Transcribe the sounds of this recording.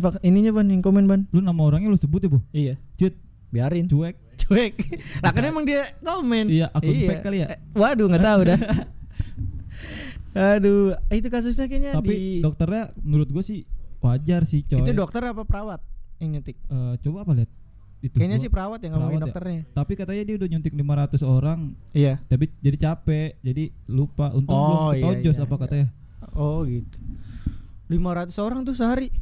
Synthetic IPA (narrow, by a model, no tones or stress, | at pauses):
pakiniɲabanjaŋkomɛnbanlunamaoɾaŋɲalʊsəbʊt̪̚jabɔhijat͡ʃət̪̚ | biaɾɪnt͡ʃuɛk̚t͡ʃuɛk̚lakanemaŋdiakomɛnijaʔakumjpɛalijawaduŋɡat̪auda | aduit̪̬ukas̬ʊs̬ɲakaɲatadiidɔk̚t̪ərɲanuɾʊt̪̚ɡuasɪhad͡ʒarsɪht͡ʃoit̪udɔk̚t̪ərɲapapəɾawat̪̚jaŋɲunt̪ɪk̚əːt͡ʃobaːpaliat̪̚ | it̪ukaɲas̬ɪhpəɾawat̪̚jaŋaɾamaktdɔat̪ərɲat̪apikat̪aɲadiaudahɲunt̪ɪk̚limaɾat̪usoɾaŋijat̪abid͡ʒadit͡ʃapɛʔd͡ʒadilupaʔunt̪klɔod͡ʒɔsapakat̪aɲa | ɔɡit̪u̥ | limaɾat̪usoɾaŋt̪ʊsəɦaɾi